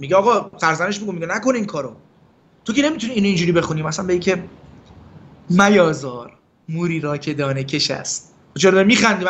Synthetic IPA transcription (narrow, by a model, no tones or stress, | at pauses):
miɟeɒːɣɒfæɾzæne̞ʃ̬miɡumiɟenæko̞niːmkʰɒːɾo | t̪ʰo̞cʰe̞ne̞mit̪ʰuniːnoind͡ʒuːɾiːbe̞xuniːmæsænbeicʰe̞ | mæjɒːzɒːɾ | muːɾiːɾɒːcʰe̞d̪ɒːnecʰe̞ʃæ̰st̪̚ | t͡ʃʰeɾɒd̪ɒɾimiːxænd̪iːm